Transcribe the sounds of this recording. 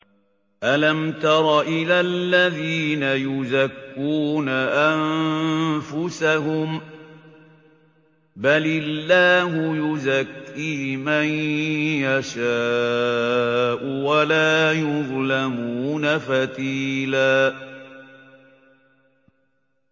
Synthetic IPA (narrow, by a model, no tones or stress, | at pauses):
ʔalamt̪ɑɾˤɑʔɪlalːaðiiːnajʊzakːuːnaʔan | fʊsaɦʊm | balɪlːaːɦʊjʊzakːiːmanjaʃaː | ʔʊwalaːjʊðˤlamuːnafat̪iːlaː